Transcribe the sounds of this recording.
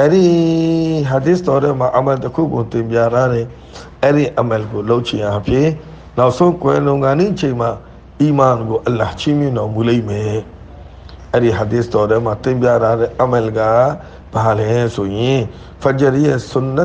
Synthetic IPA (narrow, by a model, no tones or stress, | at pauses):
ʔɛɾi | ɦad̪ɪst̪ɔɾɛmãʔəmɛltəkʰṵɡot̪ɪ̃mpjaɾaɾɛ̃ | ɛɾiʔɛmɛlɡoloʊʔt͡ʃʰɪ̰̃ʔãpʰjɪ̃ | naʔsõkwɛ̃lõʊ̃ŋɡãniʔət͡ɕʰẽma | imãnɡoʔəlat͡ɕʰimjɪ̃ndɔmulẽɪ̃mɛ | ʔɛɾiɦad̪ɪst̪ɔɾɛmat̪ɪ̃mpjaɾaɾɛʔəmɛlɡa | b̥alɛ̃sojɪ̃ | pʰət͡ʃəɾijɛsʊ̃nə